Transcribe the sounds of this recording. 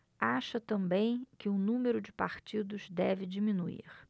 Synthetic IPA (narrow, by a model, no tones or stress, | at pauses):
aʃɐt̪ɐ̃mbẽj̃kɪũnũmeɾʊd͡ʒɪpaɾt͡ʃid̪ʊzd̪ɛvɪd͡ʒimĩnuḭɾ